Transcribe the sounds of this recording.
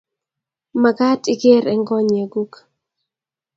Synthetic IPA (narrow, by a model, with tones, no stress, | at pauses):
ma˨ɡa˦tɪ˦ɡe˦ɾɛ˦ŋɡɔ˦ɲe˨ɡu˦k